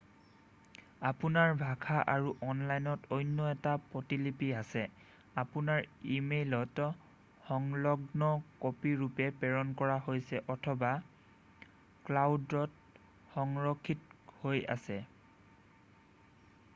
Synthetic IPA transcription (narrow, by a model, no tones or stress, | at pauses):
apunaɹbʱakʰaʔaɹuʔɔnlajnɔtojnːɔɛtapɔtilipiasɛ | apunaɹimelɔt | xɔŋlɔɡnɔkopiɹupɛpɛɹɔnkɔɹaɦojsɛʔɔtʰɔba | klawdɔt | xɔŋɹɔkʰːithoja̰sɛ